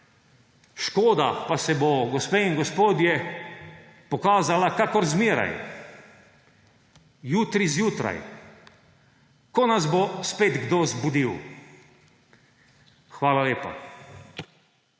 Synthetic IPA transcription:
ʃkoːd̪a̰pasɛbɔɡɔspeːinɡɔspoːd̪jɛ | pɔkaːzalakakɔɾzmiːɾa̰j | juːt̪ɾizjuːt̪ɾa̰j | kɔnazbospeːd̪ɡd̪oːzbud̪iw | xʋaːlaleːpa̰

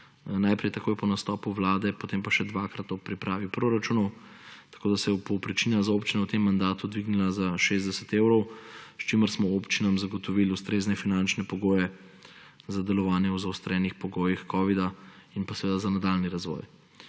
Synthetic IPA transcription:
najpɾɛjt̪akoːjɛpɔnast̪ɔːpuʋlaːd̪ɛpot̪empaʃɛd̪ʋakɾat̪ɔpɾipɾaːʋipɾoɾat͡ʃuːnɔwt̪ḁkoːd̪asɛpɔpɾit͡ʃinjazaopt͡ʃinawt̪emːand̪aːt̪ud̪ʋiɡnilazaʃezd̪ɛsɛt̪eːwɾɔwst͡ʃiməɾsmɔopt͡ʃinamzaɡɔt̪ɔʋilust̪ɾeːznɛfinant͡ʃnɛpɔɡoːjɛ | zad̪ɛlɔʋaːnjɛwzawst̪ɾɛːnixpɔɡoːjixkɔːʋid̪ainpasɛʋeːd̪azanad̪alniɾazʋɔ̰j

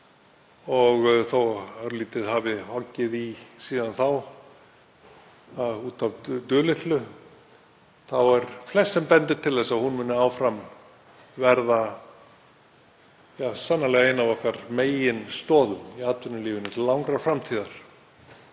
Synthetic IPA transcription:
ɔɣθowœɾliːt̪ɪðhavɪhɔcːɪðisiːðanθaw | auːt̪avt̪ʏːlɪht̪lʏ | θawɛɾflɛssɛmpɛnt̪ɪɾt̪ʰɪlθɛsːaðhunmʏːnːʏaːwfɾam | vɛɾða | jaːsanːalɛɣaeːjnavɔhkaɾ̥meːjɪnst̪ɔːðʏmiaːt̪vʏnʏliːvʏnɪt̪ʰlawŋkɾḁfɾamt̪ʰiːðaɾ̥

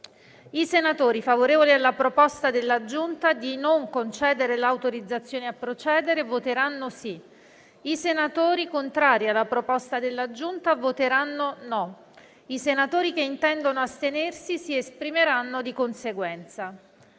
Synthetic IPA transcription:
isenat̪oːɾifavoɾeːvolialːapɾopɔst̪ad̪elːad͡ʒunt̪ad̪inoŋkont͡ʃɛːd̪eɾelawt̪oɾid̪zːat̪sːjoːneapːɾot͡ʃɛːd̪eɾevot̪eɾanːosi | isenat̪oːɾikont̪ɾaːɾjialːapɾopɔst̪ad̪elːad͡ʒunt̪avot̪eɾanːonɔ | isenat̪oːɾikeint̪ɛnd̪onoast̪enersisiespɾimeɾanːod̪ikonseɡwɛnt̪sa

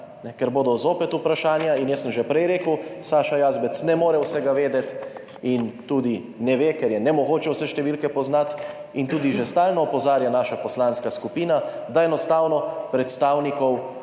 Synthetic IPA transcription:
nɛkɛɾboːd̪ɔzoːpɛt̪upɾaʃaːnjainjɛsəmʒɛpɾɛjɾeːkəwsaːʃajaːzbɛt̪snɛmoːɾɛwsɛɡaʋeːd̪ɛt̪ | int̪uːd̪i | nɛʋeːkɛɾjɛnɛmɔɡoːt͡ʃɛwsɛʃt̪ɛʋilkɛpɔznat̪ | int̪uːd̪iʒɛst̪aːlnɔːpɔzaːɾjanaːʃapɔslaːnskaskupiːna | d̪aɛnɔst̪aːwnɔpɾɛt̪st̪aːwnikɔw

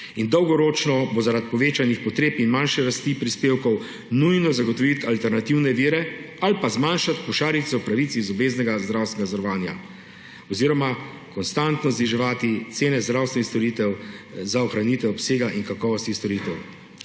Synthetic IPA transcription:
ind̪ɔwɡɔɾoːt͡ʃnɔbozaɾat̪̚pɔʋeːt͡ʃanixpɔt̪ɾeːpinmanʃɛɾast̪iːpɾispeːwkɔw | nujnɔzaɡɔt̪ɔʋit̪alt̪ɛɾnat̪iwnɛʋiːɾɛ | alipazmanʃat̪pɔʃaːɾit̪sɛwpɾaʋit̪sizɔbeːznɛɡazd̪ɾawst̪nɛɡazəɾɔʋaːnja̰ | ɔziːɾɔma | kɔnst̪ant̪nɔzniʒɛʋaːt̪it̪seːnɛzd̪ɾawst̪ʋɛnixst̪ɔɾit̪ɛwzaɔxɾaniːt̪ʋɛɔpseːɡaʔinkakɔːʋɔst̪ist̪ɔɾiːt̪ɛw

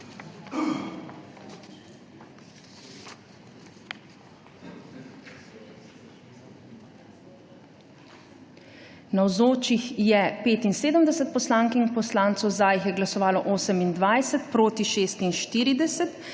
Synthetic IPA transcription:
nawzoːt͡ʃixjɛpeːt̪inseːd̪əmd̪ɛsɛt̪̚pɔslaːŋkiŋkpɔslaːnt̪sɔwzaːjixjɛɡlasɔʋaːlɔʔoːsəmind̪ʋajsɛt̪pɾoːt̪iʃeːst̪inʃt̪iːɾid̪ɛsɛt̪

